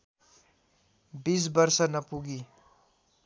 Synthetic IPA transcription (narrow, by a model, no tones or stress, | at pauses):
bis̬bəɾsənəpuɡi